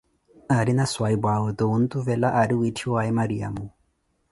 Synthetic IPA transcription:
aɾinaswaibwaɔt̪ɔun̩t̪ʼuvɛlaʔaɾiuitʰiwaɛmaɾia̰mu

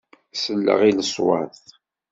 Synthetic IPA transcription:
səlːə̰ʁiləswə̰θ

